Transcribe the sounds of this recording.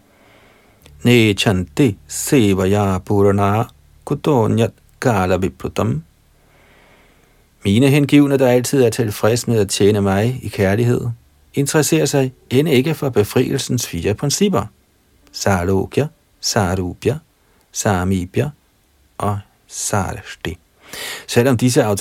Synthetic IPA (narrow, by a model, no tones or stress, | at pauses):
neːt͡ɕʰænd̥eseʋɐjɑb̥oɾonɑː | kʰod̥onjæd | ɡ̥ɑːlɐʋeb̥ʰod̥ɒm | miːnəɦenɡ̥iʊnɐd̥ɑ̈æl̰t͡sʰið̞̰ˠæɐt͡sʰe̝lfʁɛsmeðˠæt͡ɕʰjeːnəmɑ̈ɪikʰæɐliɦe̝ð̞̰ˠ | e̝nt͡sʰɐʁɐse̝̰ːɐsɑ̈ɪenəe̝ɡ̥əfɒ̽b̥e̝fʁḭːl̩sn̩sfiːɐpʰʁɛnsib̥ɐ | sɑːlo̰ɡ̥jɐ | sɑːɾub̥jɐ | sɑːmib̥jɐ | ʔɒ̽ | sɑ̰ːɾʃd̥i | sel̰ɒ̽md̥is̬əɑ̈ʊ